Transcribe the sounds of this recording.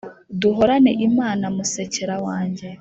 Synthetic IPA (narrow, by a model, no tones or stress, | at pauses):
duɦoɾaneʔimaːnamuseceɾawaːɲɟe